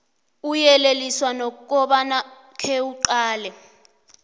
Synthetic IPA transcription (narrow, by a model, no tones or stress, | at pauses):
ujɛleliswanɔk̬ʼɔɓana | kʰeuǃaːlɛ